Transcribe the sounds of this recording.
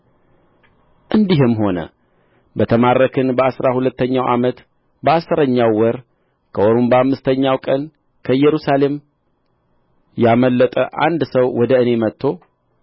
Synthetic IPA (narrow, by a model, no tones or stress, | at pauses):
ʔɨnd̪iɦɨmːho̞nə̰ | bət̪ʰəmarəkʰɨnbəʔasɾahulət̪ːəɲːawʔa̰mət̪ | bəʔasːɨɾəɲːawːɔɾ | kʰəʔoɾumbəamːɨst̪ʰəɲːawkʼən | kʰəjːɛɾusale̞m | jaməlːət̪ʼəʔa̰nd̪səwwɔd̪əɨne̞mət̪ʰːo̞